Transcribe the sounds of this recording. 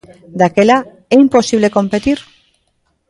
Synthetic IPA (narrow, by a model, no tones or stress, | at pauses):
d̪akela | eimpo̞siβ̞le̞ko̞mpe̞t̪iɾ